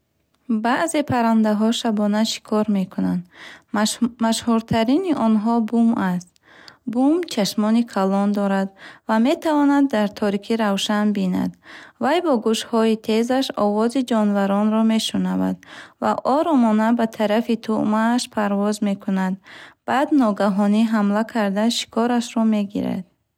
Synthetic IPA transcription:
baʔze̞pʰaɾand̪aɦɔʃabɔnaʃi̥kʰɔɾme̞kʰunand̪ | maʃhuɾt̪ʰaɾiniʔɔnɦɔbumast̪ | bumt͡ʃʰaʃmɔnikʰalɔnd̪ɔɾad̪vame̞t̪ʰavɔnad̪ːaɾt̪ʰɔɾikʰiɾavʃanbina̰d̪vajbɔɡuʃhɔit̪ʰe̞zaʃɔ̰vɔzid͡ʒɔnvaɾɔnɾɔme̞ʃunava̰d̪vaʔɔɾɔmɔnabat̪ʰaɾafit̪ʰṵʔmaːʃpʰaɾvɔzme̞kʰunad̪b̥ad̪nɔɡaɦɔniɦamlakʰaɾd̪aʃi̥kʰɔɾaʃɾɔme̞ɡḭɾa̰d̪̥

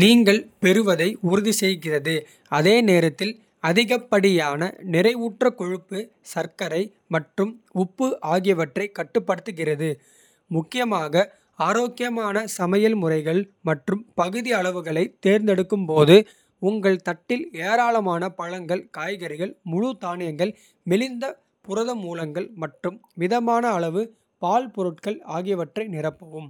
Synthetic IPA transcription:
liːŋɡɐɭpɛɾɯʋɐðɐɪʊɾɯðisɛjɣɪrɐðɯ | ɐðeːneːɾɐt̪ːɪl | ɐðɪɣɐpːɐɽɪjaːnɐnɪrɐɪʋuːʈrɐkɔɻɯpːɯ | sɐɾkɐɾɐɪ | mɐʈrɯmʊpːɯʔaːɣɪjɐʋɐʈrɐɪkːɐʈːɯpːɐɽɯt̪ːɯɣɪrɐðɯ | mʊkːɪjɐmaːɣɐ | aːɾoːkɪjɐmaːnɐsɐmɐjɐlmʊrɐɪɣɐɭmɐʈrɯmpɐɣɯðiɐɭɐʋɯɣɐɭɐɪt̪ːeːɾnd̪ɛɽɯkːɯmpoːðɯ | ʊŋɡɐɭt̪ɐʈːɪleːɾaːlɐmaːnɐpɐɻɐŋɡɐɭkaːjɣɐɾɪɣɐɭmʊɻʊt̪aːnɪjɐŋɡɐɭ | mɛlɪnd̪ɐ | pʊɾɐðɐmuːlɐŋɡɐɭmɐʈrɯmʋɪðɐmaːnɐːɭɐʋɯ | paːlpɔɾɯʈkɐɭaːɣɪjɐʋɐʈrɐɪnɪrɐpːɐʋɯm

